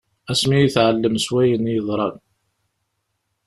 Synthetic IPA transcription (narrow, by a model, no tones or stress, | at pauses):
æsmijiθʕəlːəmswæjənjəðˤɾˤɑn